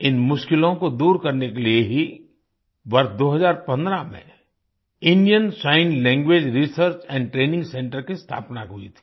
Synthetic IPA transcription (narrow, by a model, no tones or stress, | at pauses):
ɪnmʊʃkɪlõkod̪uːɾkɐɾnekelieɦi | ʋɐɾsd̪oːɦəzaːɾpɐ̃nd̪ɾamḛ̃ | ɪ̃nijənsaːɪnlɛ̃ːŋɡweːd͡ʒɾisəɾt͡ʃɛ̃ːɳɖʈɾeːnɪ̃ŋɡsɛ̃ːɳʈəɾkist̪ʰa̰ːpnaɦʊḭt̪ʰi̥